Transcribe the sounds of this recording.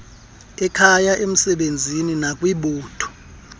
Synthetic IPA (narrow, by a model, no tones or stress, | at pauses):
ɛkʰajaʔem̩sɛɓend͡zʱininakʼwiɓuːtʰɔ̥